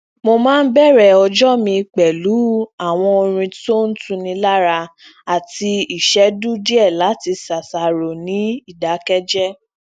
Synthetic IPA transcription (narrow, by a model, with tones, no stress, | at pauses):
mo˧mãː˦n̩˦bɛ˦˨ɾɛ˨ɔ˧d͡ʒɔ˦mĩ˧k͡pɛ˨lu˨˦a˦˨w̃ɔ̃˧o˧ɾ̃ĩ˧to˦n̩˦tũ˦nĩ˧la˦ɾa˧ | a˨ti˧i˦˨ʃɛ˨˦du˦di˦ɛ˦˨la˨˦ti˧sa˨sa˨ɾo˨nĩ˨˦i˦˨da˨˦kɛ˦d͡ʒɛ˦